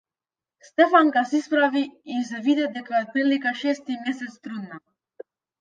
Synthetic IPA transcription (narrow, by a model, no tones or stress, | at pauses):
st̪efaŋkasispɾaviis̬evid̪ed̪eklad̪̚pelikaʃest̪imesest̪ɾunːa